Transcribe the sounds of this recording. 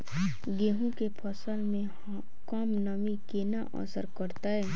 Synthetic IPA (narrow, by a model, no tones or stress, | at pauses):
ɡeːɦũkepʰəsəlmẽ | kɔːmnamikenaʔɔ̰səɾkəɾt̪aɦɛː